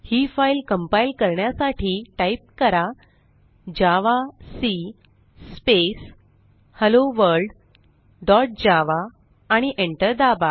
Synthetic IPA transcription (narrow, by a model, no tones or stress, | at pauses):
hiːfailkəmpailkəɾɳjasaʈʰiːʈaip̚kəɾa | d͡ʑaʋasi | spes | həloʋəɾɖ | ɖɔʈ̚d͡ʑaʋaː | ɽ̃iʔeɳʈəɾd̪aba